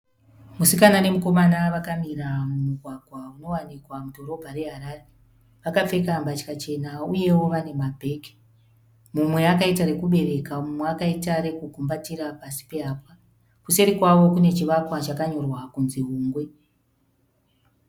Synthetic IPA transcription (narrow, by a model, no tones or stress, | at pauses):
musikanane̞muko̞manaʋakamiramumuɡʱwaɡʱwauno̞wanikwamudʱo̞ɾo̞bʱaɾe̞ɦaɾaːre̞ | ʋakap͡fe̞kambat͡ʃi̥kat͡ʃe̞nauje̞wo̞ʋane̞mabʱe̞ːke̥ | mumwe̞akaitaɾe̞kuɓe̞ɾe̞kamumweakaitaɾe̞kukumbatiɾapasi̥pe̞aːpa | kuse̞ɾikwaʋo̞kune̞t͡ʃiʋakwat͡ʃakaɲo̞rwakunziɦuːŋɡwe̞